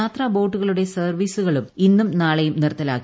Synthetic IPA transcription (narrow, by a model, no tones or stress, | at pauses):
aːt̪rɐbo̞ːʈːuɣɐɭuɽe̞sɐrʋiːsuɣɐɭuminːumnaːɭɐjumnirɐt̪ːɐla̰ːkːi